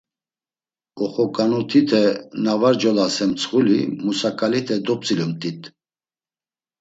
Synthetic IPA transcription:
ɔχɔkʼanut̪ʰit̪ʰɛnavaɾd͡ʒɔlasɛmt͡sʰχulimusakʼalit̪ʰɛd̪ɔp̚t͡sʼilumt̪ʼit̪ʼ

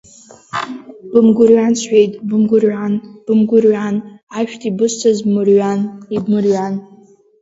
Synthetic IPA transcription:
b̥ɨmɡʷʊrɥansʷʰħᶣejtʼbɨmɡʷʊrʕanb̥ɨmɡʷʊrɥanaʃᶣtʰʼibɨst͡sʰazbmɨrɥanibmɨrɥan

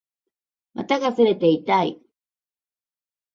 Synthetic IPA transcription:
ma̰t̪akasɨɾet̪eit̪aj

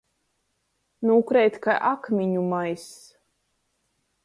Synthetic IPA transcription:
nuːkɾɛjt̪kaʔakmʲiɲumajs

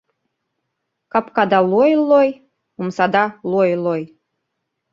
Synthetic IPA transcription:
kɑpkɑd̪ɑlˠojlːoj | omsɑd̪ɑlˠojloj

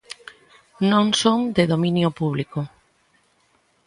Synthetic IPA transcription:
nõŋsoŋd̪eðominjʊpuβlikʊ

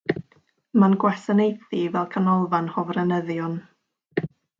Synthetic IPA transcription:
manɡwɛsanejθivɛlˠkʰanɔlˠvanhɔvrɛnəðjɔn

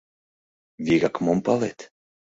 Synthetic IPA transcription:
vʲiɡakmɔmpalˠet̪

